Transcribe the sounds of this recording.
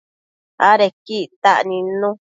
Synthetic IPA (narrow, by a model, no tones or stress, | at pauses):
a̰ɾekiʔt̪aʔnĩnũ